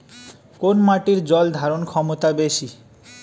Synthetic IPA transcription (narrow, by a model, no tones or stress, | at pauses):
konmaʈiɾd͡ʑɔld̪ʱaɾonkʰɔmot̪abeʃi